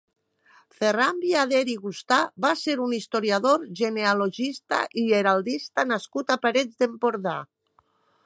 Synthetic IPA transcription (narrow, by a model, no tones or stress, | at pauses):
ferambiaðeɾiɣust̪aβaseɾunist̪oɾjaðoɾʒenealoʒist̪a̰ʔiʎeɾalˠd̪ist̪anaskut̪apaɾed͡zd̪empoɾða